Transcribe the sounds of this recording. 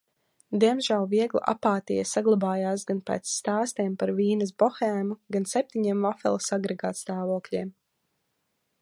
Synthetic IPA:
d̪iɛmzʒælˠviɛɡlˠṵʔa̰paːt̪ijasaɡlˠabaːjaːsɡanpɛ̰ːt̪sːt̪aːst̪ɛːmpaɾviːnas̬bɔxɛːmuɡansɛp̚t̪ʲiɲiɛmvafɛ̰lˠsaɡɾɛɡaːt̪st̪aːvuɔkʎʲiɛm

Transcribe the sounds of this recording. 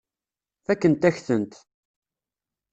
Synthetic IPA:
θækːənt̪æçθənt̪

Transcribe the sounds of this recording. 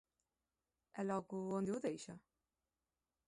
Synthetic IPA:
ɛlɔɡuond̪iuðejʃɐ

